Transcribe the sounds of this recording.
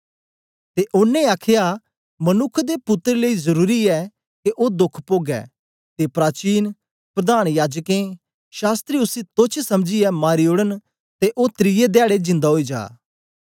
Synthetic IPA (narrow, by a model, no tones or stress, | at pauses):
t̪eʔʊnːẽaːkʰja | mɐnʊkʰːd̪epʊt̪ːɾeləizəɾuːɾiɛ | keʔoːd̪ʊkʰpoːɡɛ̰ː | t̪epɾaːt͡ʃiːn | pɾɐd̪aːñjaːd͡ʒkẽ | ʃaːst̪ɾiʊsĩt̪ot͡ʃʰsɐmd͡ʒijɛmaːɾioːɽən | t̪eʔoːt̪ɾijed̪jaːɽed͡ʒɪ̃nd̪aɦoid͡ʒa̰ː